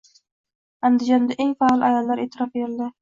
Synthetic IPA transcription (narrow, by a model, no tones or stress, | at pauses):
and̪ɪd͡ʒɒnd̪aʔeŋfalˠajɒlˠːaɾet̪ʰɪɾɒfbeɾɪld̪ɪ